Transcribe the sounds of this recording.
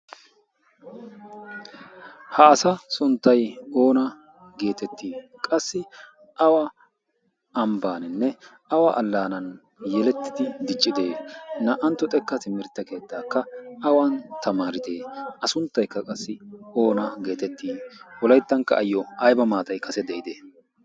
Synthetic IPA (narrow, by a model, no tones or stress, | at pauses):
hɐːsɐsʊnt̪ːɐjo̞ːnɐ | ɡe̞ːt̪ɛt̪ʰːiːkʼɐsːɪ | ʔɐwɐ | ɐmbaːnɪnːɛ | ɐwaʔɐlːaːnɐn | jɛlɛt̪ːɪd̪ɪd̪ɪt͡ʃʼːɪd̪e̞ːnɐʔɐnt̪ːɔt̪ʼɛkːɐt̪ɪmɪɾt̪ːɐke̞ːt̪ːaːkːɐɐwɐnt̪ɐmaːɾɪd̪e̞ːʔɐsʊnt̪ːɐjkːɐkʼɐsːɪo̞ːnɐɡe̞ːt̪ɛt̪ːiːwɔlɐjt̪ːɐŋkːɐ̰ʔɐjːɔɐjbɐmaːt̪ɐjkʰɐsɛd̪ɛʔɪd̪eː